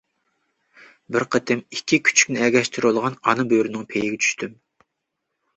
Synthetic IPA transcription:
bɪɾqʰət̪ʰɪmikʲʰːikʲʰy̥t͡ʃʰy̥kʲnɪɛɡʲɛʃt̪ʰyɾolˠʁɑnɑnɨbøɾynɪŋpʰejɪɡʲɛt͡ʃʰy̥ʃt̪ʰym

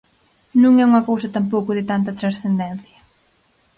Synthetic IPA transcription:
nũŋɛuŋɐkowsɐt̪ampowkʊðɪt̪ant̪ɐt̪ɾasθend̪ɛnθjɐ

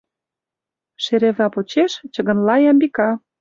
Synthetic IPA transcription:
ʃeɾevlɑpot͡ɕeʃt͡ɕə̆ɣə̆nlɑjɑmbikɑ

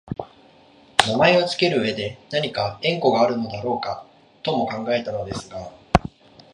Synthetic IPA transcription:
namae̞o̞t͡sɨ̥ke̞ɾɯ̟ɯ̟e̞d̪e̞naɲ̟ikaẽ̞ŋko̞ɡaːɾɯ̟no̞d̪aɾo̞ːka | t̪o̞mo̞kãŋɡae̞t̪ano̞d̪e̞sɨɡa

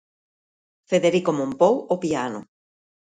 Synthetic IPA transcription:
feðeɾikomõmpowopiano̰

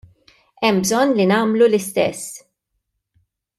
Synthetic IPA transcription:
ɛmːbzɔnːlinɐːmlulɪst̪ɛ̰sː

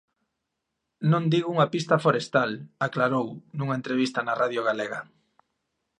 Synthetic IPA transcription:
nõnd̪iɣuŋapist̪ɐfoɾest̪alaklaɾownũŋaẽnt̪ɾeβ̞ist̪ɐnaraðjoɣaleɣɐ

